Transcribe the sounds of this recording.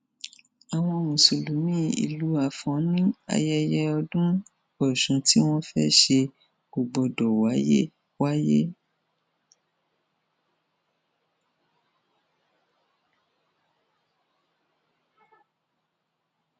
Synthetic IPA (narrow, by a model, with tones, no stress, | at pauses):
a˨w̃ɔ̃˧mũ˨su˨lu˨˦mĩ˦ḭ˨lu˨˦a˨fɔ̃˨˦nĩ˦a̰˧jɛ˧jɛ˦ɔ˧dũ˦ | ɔ˨ʃũ˨˧ti˦w̃ɔ̃˦fɛ̰˦ʃe̥˧ | o˨ɡ͡bɔ˨dɔ˨wa˨˦jḛ˦ | wa˦je˦